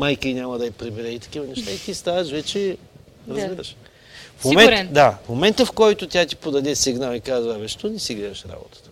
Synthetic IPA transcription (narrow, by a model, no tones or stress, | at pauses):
majkəinʲamɐd̪ɐɐpɾɛbɛɾɛit̪ɐ̥k̟ivɐnɛʃt̪ait̪ist̪avɐʃvɛt͡ʃɛ | ɾɐzɡɛd̪ɐʃ | fmomɛɾnd̪afmomɛnt̪əfkɔjt̪ʊt̪ʲjat̪i̥pod̪ɐd̪ɛsiɡnalˠikazvəvɛʃt̪onɛsiɡlɛd̪ɐʃɾa̰bo̰t̪ə̥t̪ə̥